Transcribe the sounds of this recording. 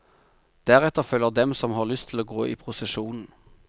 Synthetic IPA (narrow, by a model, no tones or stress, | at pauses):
d̪̥æːʁɛt̪əʁfœlːəʁd̪ɛmsɔmhɑːʁlʏst̪ʰɪloːɡoːʔḭːpʰʁʊsɛʃuːnn̩